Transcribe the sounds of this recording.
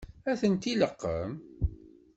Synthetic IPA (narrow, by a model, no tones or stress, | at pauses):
æθənt̪iləqːə̰m